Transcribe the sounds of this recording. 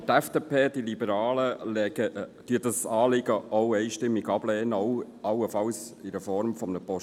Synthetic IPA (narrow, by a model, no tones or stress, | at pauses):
t̪ɛfd̥eːpʰeːd̥ilibəɾɑːləlɛɡəd̥yədɑsɑːlɪɡəʔoʊɛɪʃtɪmːiɡɑb̥lɛːnəɔʊ | ɑwəfɑwsɪɾəfɔɾmfɔmnəpɔʃ